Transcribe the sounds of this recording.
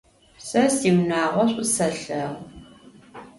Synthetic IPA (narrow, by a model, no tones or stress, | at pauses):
sɐsiːwnaːʁʷɔɕʼʊsɐɬɐʁ